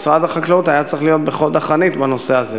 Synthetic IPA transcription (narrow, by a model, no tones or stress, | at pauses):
sʁad̪aχaklaut̪ajat͡sʁiχlijo̞t̪̚beχod̪aχanit̪bano̞seaze